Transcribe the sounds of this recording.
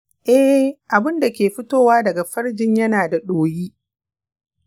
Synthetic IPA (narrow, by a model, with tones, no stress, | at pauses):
ʔɛ˦hʔa˨bɪ˦nda˨kʲeː˨ɸɪ˦toː˦waː˦dɐ˨ɡa˨ɸɐ˦ɽd͡ʒɪ˦ɲjɐ˦naː˨da˨ɗoː˨jiː˦